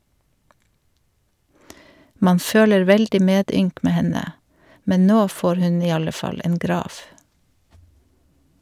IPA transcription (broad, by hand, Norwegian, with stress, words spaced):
ˈmɑːn ˈføːləɹ ˈʋɛldɪ ˈmeːˌdʏŋk ˈmeː ˈhɛnə ˈmɛɲ ˈnoː ˈfoːɾ ˈhʉɲ ˈiː ˈɑlə ˈfɑl ˈeːn ˈɡɾɑːʋ